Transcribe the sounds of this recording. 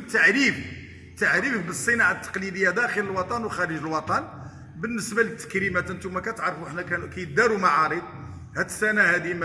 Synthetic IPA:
t̪ːaʕɾif | t̪aʕɾifbəsˤːənɑʕat̪ːɑ̥qlid̪əjːæd̪æxələlwɑt̪ˤɑnwxæɾəʒəlwɑt̪ˤɑn | bənːəsbælət̪ːə̥kɾimæt̪ʔənt̪umækæt̪ʕɾˤfuʔəħnækænkæj̪̚d̪æɾumaʕɑɾid̪̚ˤ | hæd̪sænæhæd̪imæ

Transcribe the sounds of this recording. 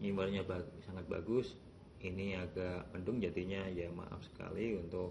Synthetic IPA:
ɲimərɲabasaŋat̪̚ba̰ɡʊs | iniaɡaʔməndʊŋd͡ʒad̪iɲajama̰ʔa̰fsə̥ka̰liunt̪ʊk̚

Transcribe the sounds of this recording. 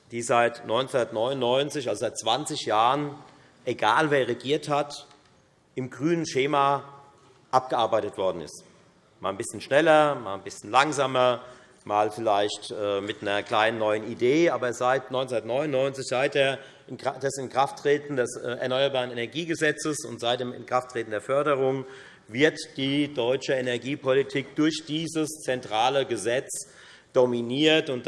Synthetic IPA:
d̥iːzaɪtnɔʏnt͡sundɐtnɔʏnʊnːɔʏnt͡sɪçʔalzozaɪt̚t͡sv̥ant͡sɪçjaːʁən | ʔeɡaːlveːɐʁeɡiːɐthat | ʔɪmɡʁyːnənʃeːma | ʔap̚ɡ̥əʔaɐbaɪtətv̥ɔɐdn̩ɪ̰st | mʔa̰ːlnbɪsçən̩ʃnɛlɐma̰ːlnbɪsçən̩laŋzaːmɐ | maːlfɪlaɪçtʔɛːmɪtnɐkl̥aɪnənːɔʏənideːaːbɐzaɪtnɔʏnt͡snɐtnɔʏnʊnɔʏnt͡sɪçz̥aɪt̚deːɐ | dɛsɪnkʁ̥aftʁ̥eːtn̩dɛsɛ̰ɐnɔʏɐbaːʁ̞ənenɛɐɡiːɡəzɛt͡səsʊ̰ntz̥aɪt̚d̥eːmɪ̰nkʁ̥aftʁ̥eːtn̩deːɐfœɐdəʁ̞ʊŋ | vɪɐtd̥iːdɔʏt͡ʃəenɛɐɡiːpʰolitʰiːk̚d̥ʊɐçd̥iːzəst͡sɛntʁ̥aːləɡəzɛt͡s | d̥ominiːɐtʊnt

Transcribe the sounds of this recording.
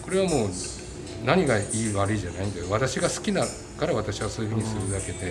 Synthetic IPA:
ko̞ɾe̞β̞amo̞ː | naɲ̟iɡaiːβaɾɯ̟iʑanaĩnd̪ajoβat̪aɕiɡasɨ̥kʲina | kaɾaβat̪aɕiβasoːjɯ̟ɸɯ̟ɲ̟isɨɾɯ̟d̪ake̞d̪e̞

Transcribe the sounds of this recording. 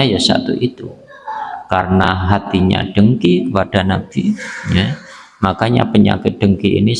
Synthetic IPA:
ajasa̰t̪uʔit̪u | karənaɦat̪iɲa̰ɖ̥əŋkikəpad̥a̤nab̥ija | makaɲa̰pəɲa̰kɪt̪̚d̥əŋkiḭni

